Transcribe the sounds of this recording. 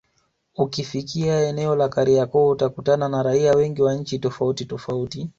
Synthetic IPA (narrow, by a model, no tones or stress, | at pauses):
ukifikiaɛnɛɔlakaɾiakɔutakutananaɾaiawɛŋɡiwaɲ̩t͡ʃitɔfautitɔfauti